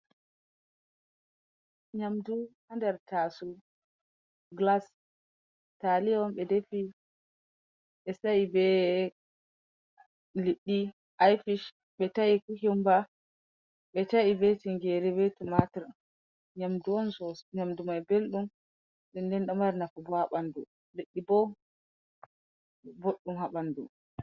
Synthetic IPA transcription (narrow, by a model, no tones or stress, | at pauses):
ɲamduhandɛɾtasu | ɡlas | taliɔnɓɛdefi | ɓɛsaibɛ | liɗːi | ʔajfiʃ | ɓɛtaikuɦimba | ɓɛtaibɛtiŋɡɛɾɛbɛtumatɛɾ | ɲamduɔnsɔsɲamdumajbelɗum | ɗɛndɛnɗɔmaɾnakɔbɔhaɓandu | liɗːibɔ | boɗːumhaɓandu